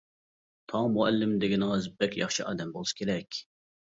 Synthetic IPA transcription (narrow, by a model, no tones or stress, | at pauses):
t̪ʰɑŋmuɛlːɪmd̪eɡʲɪnɨŋɨzbɛkʲjɑχʃiʔɑ̰ːd̪ɛmbolˠuskʲʰeɾɛkʲ